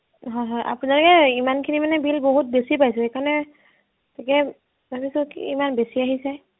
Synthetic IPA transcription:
ɦɔjɦɔjʔa̰punalukɛimankʰinimanɛbilboɦut̚besipajsɛekanɛ | takɛ | babisɔkimanbesiaɦisɛ

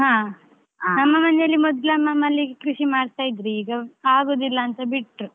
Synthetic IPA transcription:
ɦãː | nɐmːɐmɐnɛjɐlːimɔd̪lɐmːɐmːɐlːikɾuʃimaːɽt̪aːjid̪ɾiːɡɐaːɡoːd̪ilːɐːnt̪ɐbiʈːɾu

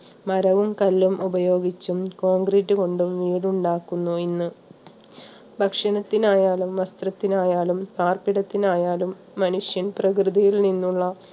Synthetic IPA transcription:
mɐɾɐʋumkɐlːumʔubɐjo̞ːɡit͡ɕːumko̞ːŋɡriʈːɨko̞ɳɖumʋiːɽuɳɖaːkːunːuinːɨ | bʱɐkʂɐnɐt̪ːinaːjaːlumʋɐst̪rɐt̪ːinaːjaːlumt̪aːrpiɽɐt̪ːinaːjaːlumːɐnuʂjɐnprɐkrɨðijilninːuɭːɐ

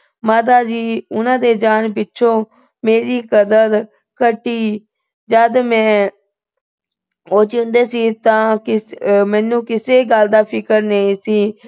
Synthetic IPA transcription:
maːt̪aːd͡ʒiːʊnãːd̪eːd͡ʒaːnpɪtːʃʰõː | meːɾiːkəd̪əd | kəʈːiː | d͡ʒəd̪mɛ̃ː | oːt͡ʃind̪eːsiːt̪ãːkɪmɛ̃ːnːũːkɪseːɡəld̪aːpʰɪkəɾneĩsiː

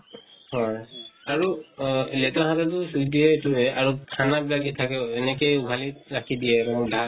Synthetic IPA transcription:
hɔjaɹulɛtɔɦatatʊsudʱiɦɔetuɛaɹukʰanabilakitʰakɛɛnɛkejubʱaliɹakʰidiɛtɔmɔdʱa

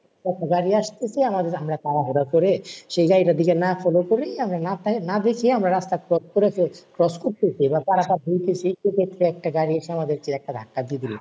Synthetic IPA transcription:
ɛk̚ʈaɡaɾiaʃt̪esʰiamad̪eɾamɾak̪aɾaɦoɾakoɾeʃejɡaɾiɾad̪ʱikenafʰɔlokoɾeamɾanat̪nad̪ekʰiamɾaɾast̪akɾɔskoɾekekɾɔskoɾt̪esʰibakaɾap̪aɾbʱujt̪esʰiʃekʰet̪ːɾeɛk̚ʈaɡaɾiaʃeamad̪eɾt͡ɕiɛk̚ʈad̪ʱakːad̪id̪ili

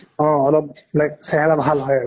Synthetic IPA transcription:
ɔ̃ɔlɔp̚lajk̚sɛɦɛlabʱalɦɔja

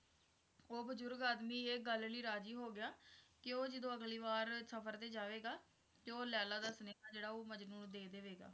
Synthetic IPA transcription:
oːbəd͡ʒʊɾɡaːd̪miːeːɡəlliːɾaːd͡ʒiːɦoːɡɪjaːkɪoːd͡ʒɪd̪õːəɡliːʋaːɾsəpʰəɾt̪eːd͡ʒaːʋeːɡaː | koːljaːlaːd̪aːsənekaːd͡ʒeːɽaːoːməd͡ʒnuːɳd̪eːd̪eːʋeːɡa̰ː

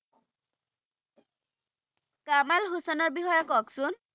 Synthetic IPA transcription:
kamalɦusanɔɹbixɔjɔkɔksʊn

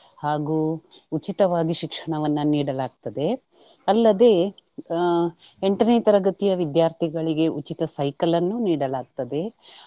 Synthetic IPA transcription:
haːɡuː | ut͡ʃit̪ɐʋaːɡiʃikʂɐɳɐʋɐnːɐniːɽɐlaːɡ̚t̪ɐd̪e̞ | ɐlːɐd̪e̞ː | eɳʈɐneːt̪ɐɾɐɡɐt̪ijɐʋid̪jaːɾt̪ʰiɡɐɭiɡe̞ʔut͡ʃit̪ɐsɐjkɐlɐnːuːniːɽɐlaːɡ̚t̪ɐd̪e̞

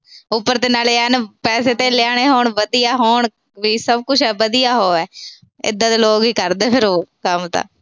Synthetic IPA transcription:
ʊpːəɾt̪eːnaːleːənpɛːs̬eːt̪eːlɪaːɽ̃eːɦoːɳʋəd̪ijaːɦoːɳ | ʋiːsəb̚kʊt͡ʃʰɛːʋəd̪ijaːɦoːɛː | ɪ̰d̪ːãːt̪eːloːɡiːkəɾd̪eːpʰɪɾoːkəmt̪ã̰ː

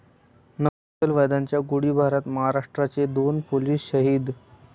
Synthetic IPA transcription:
nəʋ | t̪əlʋəjd̪aɲt͡ɕjaɡuɽiːbʱaɾət̪məɦaɾaʂʈɾat͡sed̪onpoliːsɕəɦiːd̪

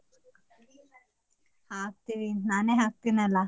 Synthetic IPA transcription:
hak̚t̪iʋinaneɦak̚t̪inala

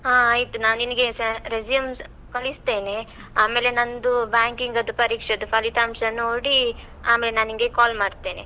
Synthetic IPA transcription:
ɦãːaːjt̪unaːniniɡe̞sɾezijɐms | kɐɭist̪e̞ːne | aːme̞ːlenɐnd̪ubjaːŋkiŋɡɐd̪upɐɾiːkʂɐd̪upʰɐlit̪aːmʂɐnoːɽi | aːmeːlenaːniŋɡekaːlmaːɽt̪e̞ːnḛ

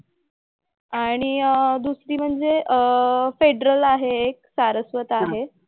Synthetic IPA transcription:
aɽ̃id̪usɾiːm̤əɳd͡zeəfeɖɾəlaɦeːk̚saɾəsʋət̪aɦe

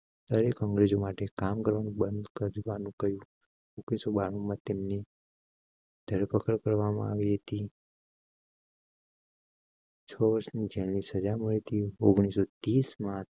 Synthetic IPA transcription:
d̪əɾekɔ̃ŋɡɾed͡ʒomaʈekamkəɾʋanũbə̃nd̪kəɾʋanũkəɦjũ | oɡɽ̃isobaɽ̃ũmãt̪emni | d̪ʱəɾpəkəɾkəɾʋamã̰aʋiɦət̪i | t͡ʃʰɔʋəɾsnid͡ʒelnisəd͡ʒaməɭit̪ʰioɡɽ̃isot̪ismã

